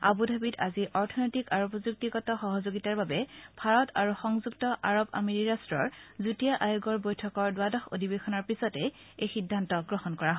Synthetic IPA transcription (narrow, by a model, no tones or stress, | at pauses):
a̰budʱabitaziʔɔɹtʰɔnojtikaɹupɔzuk̚tiɡɔtɔxɔɦɔzoɡitaɹbabɛbʱaɹɔtaɹuxɔŋzuk̚tɔʔaɹoba̰meɹiɹastɹɔɹzutijaʔajuɡɔɹbojtʰɔkɔɹdʊadɔxo̰dʱibexɔnɔɹpisɔtɛ | ejxidʱːantɔɡɹɔhɔnkɔɹaɦ